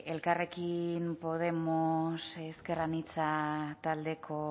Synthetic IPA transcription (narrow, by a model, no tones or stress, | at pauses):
e̞lkare̞kimpo̞ð̞e̞moseskeranit͡sat̪ald̪e̞kʰo̞